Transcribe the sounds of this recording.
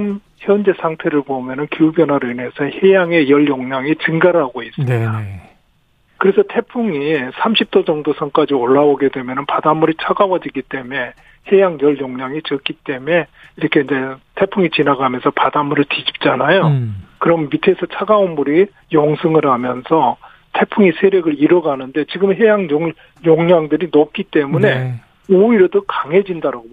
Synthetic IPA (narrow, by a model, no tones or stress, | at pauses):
m | çjʌnd͡ʑe̞sʰaŋtʰe̞ɾɯɭpomjʌnɯnkiubjʌnɦwaɾɯine̞sʰʌhe̞jaŋe̞jʌɭjoŋɲaŋit͡ɕɯŋɡaɾɯɦaɡois͈ɯmɲida | kɯɾe̞sʰʌtʰe̞pʰuŋisʰamɕʰip̚t͈od͡ʑʌŋdosʰʌŋk͈ad͡ʑioɭːaoɡe̞dwe̞mjʌnɯnpadamːuɾit͡ɕʰaɡawʌd͡ʑiɡit͈e̞me̞ | he̞jaŋjʌɭjoŋɲaŋit͡ɕʌk͈it͈e̞me̞ | iɾʌkʰeind͡ʑe̞tʰe̞pʰuŋit͡ɕinaɡamjʌnsʰʌpadamːuɾɯɭtid͡ʑi̥p̚t͡ɕ͈anajokɯɾʌmːitʰesʰɯt͡ɕʰaɡaonmuɾi | joŋsʰɯŋɯɾɦamjʌnsʰʌ | tʰe̞pʰuŋisʰe̞ɾjʌɡɯɾiɾʌɡanɯnde̞t͡ɕiɡɯmɦe̞jaŋjo | joŋɲaŋdɯɾinop̚k͈it͈e̞mune̞ | oiɾodokaŋɦe̞d͡ʑindaɾaɡo